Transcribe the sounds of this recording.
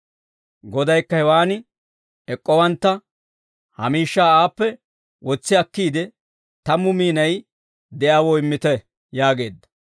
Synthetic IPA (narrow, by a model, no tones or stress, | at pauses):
ɡɔd̪ɐjkːɐhɛwaːnɪ | ɛkʼːɔwɐnt̪ːɐ | hɐmiːʃːaːaːpːɛ | wɔt͡sːɪɐkːiːd̪ɛ | t̪ɐmːʊmiːnɐj | d̪ɛʔawɔɪmːɪt̪ɛ | jaːɡe̞ːd̪ːɐ